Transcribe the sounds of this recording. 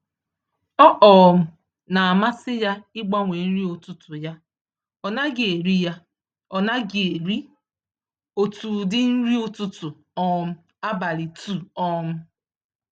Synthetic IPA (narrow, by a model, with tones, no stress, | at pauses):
ɔ˦ʔɔ˨m̩˦ | na˨a˨ma˦sɪ˦ja˦ɪ˦ɡ͡ba˦ŋʷe˨n̩˦ɾi˦o˨tʊ˨tʊ˨ja˦ | ɔ˨na˦ɡe˨e˨ɾi˦ja˦ | ɔ˨na˦ɡe˨e˨ɾi˦ | o˨tu˨dɪ˦n̩˦ɾi˦o˦tʊ˦tʊ˨ | ɔ˦m̩˦ | a˦ba˨ɾi˨tu˨ɔ˦m̩˦